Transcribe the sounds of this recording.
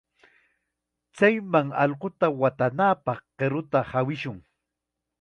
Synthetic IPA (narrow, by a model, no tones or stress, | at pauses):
t͡sajmaŋɑʎqot̪awat̪anapɑχɢeɾʊt̪ahawɪʃʊŋ